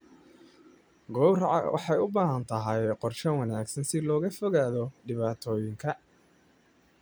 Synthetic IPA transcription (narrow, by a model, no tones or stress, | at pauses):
ɡɔwrʕɑ̰wʔɑ̰ħɑjʊbaːɦɐnt̪ʰɐɦɐjqɔrʃɐwɐnaːɡsɐnsɪlɔːɣɐfɔɣaːðɔɖɪβaːt̪ʰɔːjɪŋkʰɐ